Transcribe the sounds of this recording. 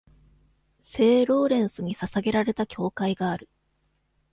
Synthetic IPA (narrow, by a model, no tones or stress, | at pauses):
se̞ːɾo̞ːɾẽ̞ɰ̃sɨɲ̟isasaɡe̞ɾaɾe̞t̪akʲo̞ːkaiɡaːɾɯ̟